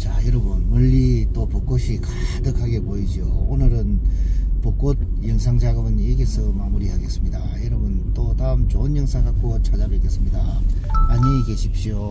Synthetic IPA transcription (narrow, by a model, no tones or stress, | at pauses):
t͡ɕajʌɾʌbɯnmɯʎːit͈opok͈oɕʰikadɯkʰaɡe̞poid͡ʑioonɯɾɯnpɯk͈od̚jɯŋsʰaŋd͡ʑaɡɯbɯneɡesʰɯmamuɾihaɡe̞s͈ɯmɲidajʌɾɯbɯnt͈otaɯmt͡ɕonjɯŋsʰaŋɡak͈ot͡ɕʰad͡ʑabekes͈ɯmɲida | aɲike̞ɕʰip̚ɕ͈io